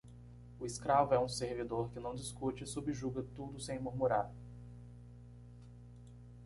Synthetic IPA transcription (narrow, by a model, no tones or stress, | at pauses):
ʊɪskɾavʊɛũseɾvid̪oɾkɪnɐ̃w̃d͡ʒɪskut͡ʃɪsubɪʒuɡɐt̪ud̪ʊsẽj̃muɾmuɾaɾ